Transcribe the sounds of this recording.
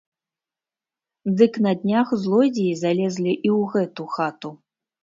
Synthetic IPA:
d̪ɨknɐd̪ʲnʲaxzlˠɔd͡zʲijizalʲɛzlʲiʔiwɣɛt̪uxat̪u

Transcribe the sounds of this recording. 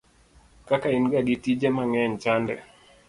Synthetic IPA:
kakainɡaɡitid͡ʒɛmaŋɛɲt͡ʃandɛ

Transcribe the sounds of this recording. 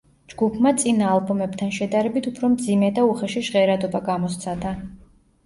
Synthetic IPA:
d͡ʒɡupʰmat̪sʼinaːlˠbɔmɛbt̪ʰanʃɛd̪aɾɛbit̪ʰupʰɾɔmd̪zimɛd̪auχɛʃiʒʁɛɾad̪ɔbaɡamɔst̪sʰad̪a

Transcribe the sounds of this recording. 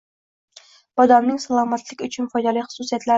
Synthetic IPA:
b̥ɒd̪ɒmnɪŋsalˠɒmat̪lɪkʲʊt͡ʃʰʊnfɒjd̪alɪjχʊ̥susijat̪la

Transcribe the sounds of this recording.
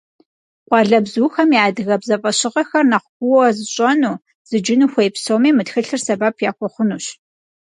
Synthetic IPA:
qʷʼɑɮɐbzuːxɐmjaːdɨɣɐbzɐfʼɐɕɪqɐxɐrnɐqʷɡʷʊwɐzɨɕʼɐnuː | z̥ɨd͡ʒɪnuːxʷejpsowmiːmɨtxɨɬɨrsɐbaːpʰjaːkʷʰʼɔχʷʊnuːɕ

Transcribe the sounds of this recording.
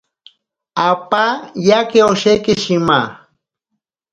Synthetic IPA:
apajakeoʃekɪʃima

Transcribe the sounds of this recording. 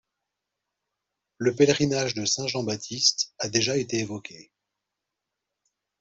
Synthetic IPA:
ləpɛlʁinaʒd̪əsɛ̃ʒɑ̃bat̪ʰist̪ad̪eʒaet̪eːvɔkʲe

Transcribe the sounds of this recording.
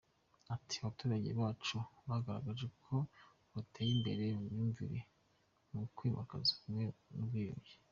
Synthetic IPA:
atʰi̥aβatuːɾaɟeβaːt͡ʃuβaɡaɾa̰ɡaʒe̞kʰo̞ | βatʰeːjimbe̞ɾe̞umɲuːɱviɾe | mukwiːmʔa̰kazakumŋe̞nuβɡijobji

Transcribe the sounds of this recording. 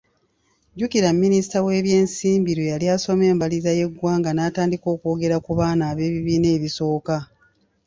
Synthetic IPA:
ɟukiɾamːinisi̥tawe̞ːβje̞ːnsiːmbiɾwejaljaːso̞me̞ːmbalizaje̞ɡwaːŋɡanaːtaːndiko̞ːkoːɡe̞ɾakuβaːnaːβe̞ːβiβiːne̞ːβiso̞ːka

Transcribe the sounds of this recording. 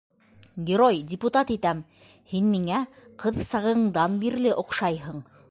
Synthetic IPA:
ɡʲɪɾojdʲɪput̪ɑt̪it̪æm | hinmiŋæqɤðsɑʁɤ̆ɴd̪ɑnbiɾlɘʔŏqʃɑjɦɤɴ

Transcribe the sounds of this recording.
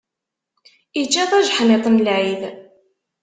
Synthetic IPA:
it͡ʃːæðˤæʒħnet̪ˤnlʕið

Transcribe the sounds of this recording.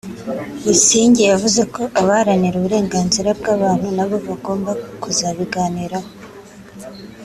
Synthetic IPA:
jisiːɲɟejavuze̞ko̞ʔaβaɾaniɾuβuɾe̞ːŋɡaːnziɾab̚ɡaːβaːn̥hunaβo̞βaɡo̞ːmbakuzaβiɡaːniɾa

